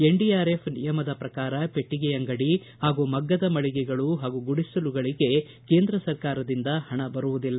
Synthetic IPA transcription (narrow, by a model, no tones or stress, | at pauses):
e̞ɳɖijaːɾe̞pʰnijɐmɐd̪ɐpɾɐkaːɾɐpe̞ʈːiɡɛjɐŋɡɐɽi | haːɡumɐɡːɐd̪ɐmɐɭiɡɛɡɐɭuɦaːɡuɡuɽisuluɡɐɭiɡe̞ | ke̞ːnd̪ɾɐsɐɾkaːɾɐd̪ind̪ɐhɐɳɐbɐɾuʋud̪ilːɐ